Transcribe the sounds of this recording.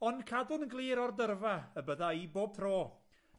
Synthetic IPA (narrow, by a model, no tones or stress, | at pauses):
ɔnkʰadʊnəɡlˠiːɾɔrdərvaəbəðaiboːb̥̚θʰroː